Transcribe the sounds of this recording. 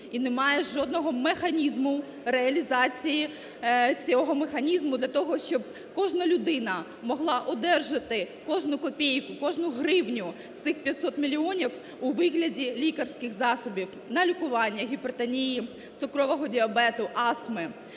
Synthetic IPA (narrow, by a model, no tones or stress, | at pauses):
inemɑjɛʒɔd̪nɔɦɔmexɐnʲizmʊ | reɐlʲizɑt͡sʲiji | t͡sʲɔɦɔmexɐnʲizmʊd̪lʲɐt̪ɔɦɔʃt͡ʃɔb | kɔʒnɐlʲʊd̪ɪnɐ | mɔɦlˠɑʔɔd̪ɛrʒɐt̪ɪ | kɔʒnʊkɔpʲejkʊkɔʒnʊɦrɪwnʲʊ | st̪ɪxpʲjɐt̪ʲsɔt̪mʲilʲiɔnʲiw | uʋɪɦlʲɐdʲilʲikɐrsʲkɪɣzɑsɔbʲiw | nɐlʲikʊʋɑnʲːɐɣʲibɾt̪ɐnʲiji | t̪ʊkɾɔʋɔɦɔdʲiɐbɛt̪ʊʔɑsmɪ